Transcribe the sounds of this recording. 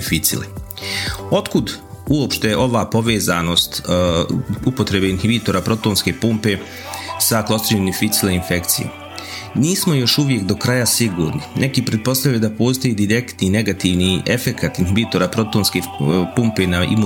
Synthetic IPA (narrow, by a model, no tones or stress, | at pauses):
fit̪sḭlḛ | o̞t̪kud̪ | uo̞pʃt̪e̞jeʔo̞ʋaːpo̞ʋe̞ːzano̞ːst̪ | upo̞t̪ɾe̞beinhibiːt̪o̞ɾapɾo̞t̪o̞ːnske̞pumpe̞ | saklˠost̪ɾiɲomnimfit̪sileinfe̞kt̪sijḛ | niːsmo̞jo̞ʃuʋjekd̪o̞kɾajasiɡuːɾninʔe̞kiːpɾe̞d̪̚po̞st̪avjujed̪apo̞ːsit̪ojeːd̪iɾe̞kt̪nine̞ɡat̪iːʋniʔe̞fe̞kʰat̪inhibiːt̪o̞ɾaːpɾo̞t̪onskepumpe̞naḭmu